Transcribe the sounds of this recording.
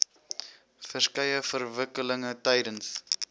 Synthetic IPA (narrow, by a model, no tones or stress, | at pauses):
fərskɐjəfərvəkələŋətɛjdəns